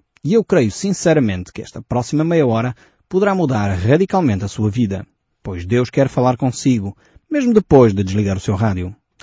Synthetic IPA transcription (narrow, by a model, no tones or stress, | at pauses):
iewkɾɐjusĩsɛɾɐmẽnt̪kɨɛ̰ʃt̪ɐpɾɔsimɐmɛjɐɔɾɐ | puðɨɾamuðaɾʁɐðikalˠmẽnt̪ɐsuɐviðɐ̰ | pojʒd̪ewʃkɛɾfɐlˠaɾkõsiɣu | meʒmud̪ɨpojʒd̪ɨd̪ɨʒlˠiɣaɾusewʁaðju